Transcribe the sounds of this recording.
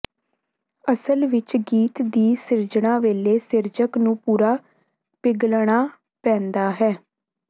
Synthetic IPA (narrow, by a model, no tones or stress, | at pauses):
əsəlʋɪt͡ʃɡiːt̪d̪iːsɪɾd͡ʒɳãːʋeːleːsɪɾd͡ʒəknũːpuːɾaː | pɪɡlɽ̃aː | pɛ̃ːnd̪aːɦɛː